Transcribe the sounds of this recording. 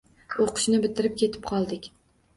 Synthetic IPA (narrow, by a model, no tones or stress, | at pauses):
oqʰɨ̥ʃnɪbɪt̪ʰɪɾɪp̚kʲʰe̞t̪ʰɪ̥p̚qʰɒlˠd̪ɪkʲ